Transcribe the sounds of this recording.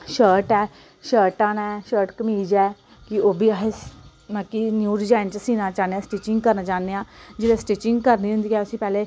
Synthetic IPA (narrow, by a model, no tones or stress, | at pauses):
ʃəːɾʈɛː | ʃəːɾʈaːnaʃəːɾʈkəmiːd͡ʒɛː | kioːbʱiːəɦes | nãːkinjuːɖid͡ʒaːɪnt͡ʃasiːnaːt͡ʃaːnejaːsʈeːt͡ʃɪ̃ŋɡkəɾnaːt͡ʃaːnejãːd͡ʒɪlesʈeːt͡ʃɪ̃ŋɡkəɾniːɦʊ̃nd̪iːɛːʊsĩːpɛːle